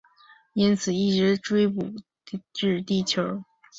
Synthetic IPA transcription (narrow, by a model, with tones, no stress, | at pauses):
i˥nt͡sʰɹ̩˨˩i˥˩ʈ͡ʂɻ̩˧˥ʈ͡ʂwe˥ɪpu˨˩ | ʈ͡ʂɻ̩˥˧t̪i˥˩t͡ɕʰjo˧˥ʊ